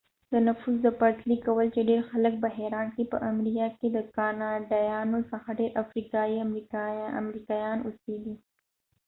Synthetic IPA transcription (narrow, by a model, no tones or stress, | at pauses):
d̪ənɐfuzd̪əpɐɾʈ̪likɐwəlt͡ʃeɖeːɾxɐlək̚bɐɦeɾaːnkepə̰ʔɐmɾikaked̪əkaːnaɖajaːnosɐ̃xaɖeːɾʔɐfɾiːkaːiɐmɾiɐ̰mɾiːkajaːnʊsiːd̪i